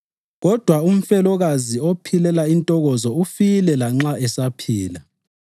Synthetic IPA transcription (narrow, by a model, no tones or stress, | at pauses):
ɣɔd̥ʱwaum̩fɛlɔɣaziopʰilɛlaintʼɔɣɔzɔufilɛlaŋ͡ǁaɛsapʰiːla